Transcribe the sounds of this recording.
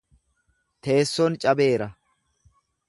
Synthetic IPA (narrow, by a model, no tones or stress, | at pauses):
t̪e̞ːsːɔnt͡ʃʼɐbe̞ːɾɐ